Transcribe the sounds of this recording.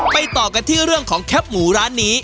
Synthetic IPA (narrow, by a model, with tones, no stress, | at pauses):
ma˨˩jt̪ɔː˨˩ka˧nt̪ʰiː˥˩ɾɯ˥˩əŋkʰɔː˩˦ŋkʰɛ˦˥p̚muː˩˦ɾaː˦˥nːiː˦˥